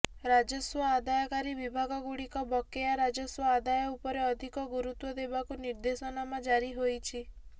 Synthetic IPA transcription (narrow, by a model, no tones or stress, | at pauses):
ɾad͡ʒɔswɔad̪ajɔkaɾibibʱaɡɔɡuɽikɔbɔkeaɾad͡ʒɔswɔad̪ajɔupɔɾeɔd̪ʱikɔɡuɾut̪wɔd̪ebakuniɾd̪esɔnamad͡ʒaɾiɦojt͡ʃʰi